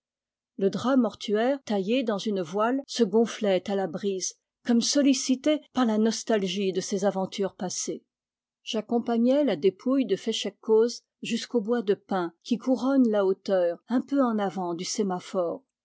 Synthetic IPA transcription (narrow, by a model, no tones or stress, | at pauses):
ləd̪ʁamɔʁt̪ʰyɛːʁt̪ajed̪ɑ̃zynvwalsəɡɔ̃flɛt̪alabʁiz | kɔmsɔlisit̪epaʁlanɔst̪alʒid̪əsezavɑ̃t̪ʰyʁpase | ʒ̥akɔ̃paɲɛlad̪epʰujd̪əfɛʃɛkːoz | ʒyskobwad̪əpɛ̃kʲikuʁɔnlaot̪œːʁɛ̃pøɑ̃navɑ̃d̪ysemafɔːʁ